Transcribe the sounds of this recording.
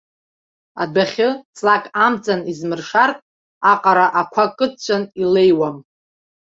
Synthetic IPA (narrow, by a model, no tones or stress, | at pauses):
a̰daχʲɨt͡sʼlakʼamt͡sʼanizmɨrʂartʼ | aqʼaɾaʔakʷʰakʼɨt͡ʃʷʰʼanile̞jwam